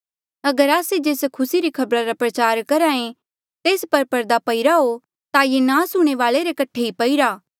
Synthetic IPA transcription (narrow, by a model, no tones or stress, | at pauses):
ɐɡəɾaːsed͡ʒeːskʰʊsiɾikʰɐbɾaɾapɾɐt͡ʃaːɾkɐɾãːẽ | t̪eːspɐɾpɐɾd̪apɐiɾaɦo | t̪ajenãːsʊɽ̃eʋaːɭeɾekɐʈʰeɦipɐiɾaː